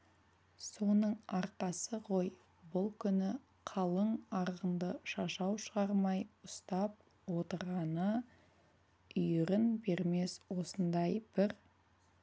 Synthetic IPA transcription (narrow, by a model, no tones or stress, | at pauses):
so̞nəɴɑɾqɑsəʁʰo̞j | bʊlˠkʲʰʏnɪ | qʰɑlˠəɴɑɾʁənd̪əʃɑʃɑwʃəʁɑɾmɑjʊst̪ɑp̚ | wo̞t̪əɾʁɑnə | ʏjɪɾɪnbe̞ɾme̞swo̞sənd̪ɑjb̥ɪɾ